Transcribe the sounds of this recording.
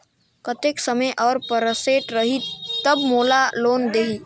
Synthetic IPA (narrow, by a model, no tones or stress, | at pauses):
kət̪eksəməʔɔːɾpəɾəseʈɾəɦit̪əbmoːlaloːnd̪eɦi